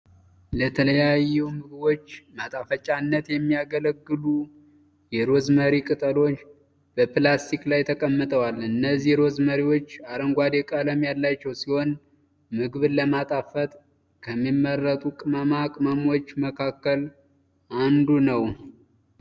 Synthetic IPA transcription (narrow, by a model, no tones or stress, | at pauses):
lət̪ʰələjajːɛwmɨɡɨbo̞t͡ʃːmat̪ʼafət͡ʃʼanːət̪jɛmːijaɡələɡːɨlu | jɛɾo̞zməɾikʼɨt̪ʼəlo̞t͡ʃː | b̥əplast̪ʰiklajt̪ʰəkʼəmːɨt̪ʼəwalɨnːəzːihɾo̞zməɾiwo̞t͡ʃːaɾəŋɡʷad̪ekʼələmjalːat͡ʃːɛwsiho̞n | mɨɡɨβləmat̪ʼafət̪ʼ | kʰəmːimːərːət̪ʼukʼɨməmakʼɨməmwo̞t͡ʃːməkʰakːəl | ʔand̪unəw